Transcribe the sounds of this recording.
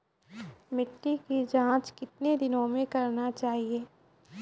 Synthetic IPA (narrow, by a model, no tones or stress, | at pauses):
mɪʈːikid͡ʒãːt͡ʃkɪt̪̚ned̪ɪnõmẽkɐɾnat͡ʃaːɦieː